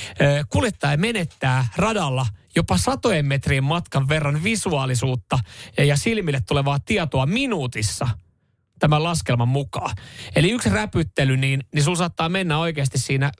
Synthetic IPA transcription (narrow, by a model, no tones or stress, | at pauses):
øːkuljet̪ːɑjeme̞net̪ːæːrɑdɑlːɑjopɑsɑt̪ojemmet̪riːmmɑt̪kɑʋːe̞rːɑnʋisuɑːlisuːt̪ːɑjɑsilmilːet̪ːuleʋɑːt̪iɑt̪oɑminuːt̪isːɑ | t̪æmælɑskelmɑmmukɑːeliyksræpyt̪ːelyniːnnisulsɑːt̪ːɑːmenːæo̞ikeːst̪issiːnæ